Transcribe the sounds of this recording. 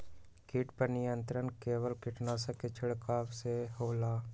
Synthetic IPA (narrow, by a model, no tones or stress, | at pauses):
kɪʈpəɾnɪjənt̪ɾənkeːʋəlkɪʈnaːsəket͡ʃʰɪɽkaːʋseɦoːlaː